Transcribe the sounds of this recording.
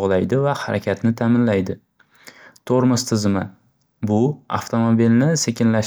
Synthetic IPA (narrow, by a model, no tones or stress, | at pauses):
ʁlˠajd̪ɪvahaɾʔakʲʰat̪nɪt̪ʰamɪnlajd̪ɪ | t̪ʰoɾmʊst̪ʰɪzma | bʊa̰ft̪ʰo̞mobilnɪse̞kʲʰɪnlaʃ